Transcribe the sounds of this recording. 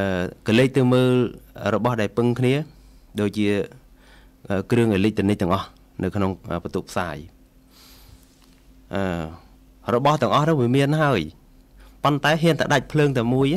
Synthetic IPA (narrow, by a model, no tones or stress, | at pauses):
ʔəːkəleːc̚t̪ɨwməːlrɔɓɑhɗaɛlpɨŋkʰniə | ɗoːc̚t͡ɕiə | ʔəːkrɨəŋʔalic̪̚ɨənɨc̚t̪ɛ̆əŋʔɑh | nʔɨwkʰnoŋʔəːpət̪uːpʰsaːj | ʔəː | rɔɓɑht̪ɛ̆əŋʔɑhnɨŋʋiəmiənɦaəj | pont̪aɛɦiənt̪aɗac̚pʰləːŋt̪aəmuəj